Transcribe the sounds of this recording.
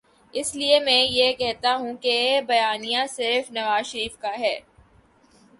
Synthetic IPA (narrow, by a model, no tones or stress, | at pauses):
ɪsliemɛ̃ːjekɛɦt̪aɦũkebɐjaːnijasɪɾfnɐʋaːzʃɐɾiːfkaɦɛː